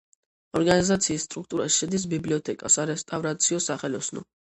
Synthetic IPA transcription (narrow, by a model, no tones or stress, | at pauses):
ɔɾɡanizat̪sʰiːsːt̪ʼɾuk̚ʰt̪ʼuɾasʃɛd̪is̬bibliɔt̪ʰɛkʼa̰saɾɛst̪ʼavɾat̪sʰiɔsaχɛlɔsnɔ̰